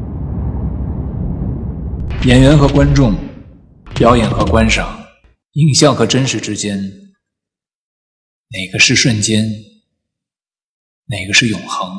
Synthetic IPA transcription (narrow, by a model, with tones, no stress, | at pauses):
jɛ˨˩nɥɛ˧˥nxɤ˧˥kwa˥nʈ͡ʂʊ˥˩ŋ | pjɑ˥ʊjɛ˨˩nxɤ˧˥kwa˥nʂɑ˨˩˦ŋ | i˥˩ŋɕjɑ˥˩ŋxɤ˧˥ʈ͡ʂə˥nʂɻ̩˨˩ʈ͡ʂɻ̩˥t͡ɕjɛ˥n | ne˨˩ɪɡə˦ʂɻ̩˥˧ʂwə˥˩nt͡ɕjɛ˥n | ne˨˩ɪɡə˦ʂɻ̩˥˩jʊ˨˩ŋxɤ˧˥ŋ